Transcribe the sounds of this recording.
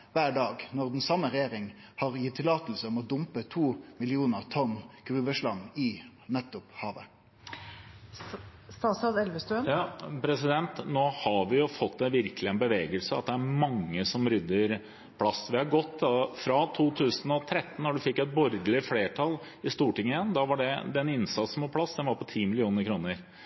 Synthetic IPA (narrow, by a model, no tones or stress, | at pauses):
ʋæːɖɑːɡnɔʁd̪ɛnsɑmːəʁɛjeːʁɪŋ | hɑʁjɪt̪ʰːɪlɑːt̪lsəɔmɔd̪ʊmpət̪ʰuːmɪlɪuːnəʁt̪ʰɔnːɡ̥ɾʉːʋəʂlɑnːɪ | nɛt̪ːʊphɑːʋə̰ | st̪ɑsɑd̪ɛlʋəst̪ʉənpʰɾɛsɪd̪ɛnt̪noːhɑʋɪjʊfɔt̪ːd̪ɛʋɪɾkəlɪɛnbəʋeːɡəlsəɑ̰t̪̚d̪ɛæɾmɑŋːəsɔmɾʏd̪ːəɾ | pʰlɑsːʋɪhɑɾɡɔt̪ːɑfɾɑt̪ʰuːt̪ʰʉːsən̩ɔt̪ʰɾɛt̪ːn̩ːɔɖʉfɪkːɛt̪̚bɔɾd̪lɪfleːʈʰɑl | ɪst̪uːʈɪŋːəɪjɛnd̪ɑʋɑɖɛd̪ɛnɪnsɑt̪sn̩ʋɑpʰɽɑsːd̪ɛnʋɑɾpɔt̪ʰiːmɪlɪuːnəɾkʰɾuːnəɾ